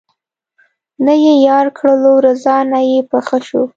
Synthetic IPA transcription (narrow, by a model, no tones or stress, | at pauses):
nəjejɑɾkɽəlowɾazɑnajepəxəʃu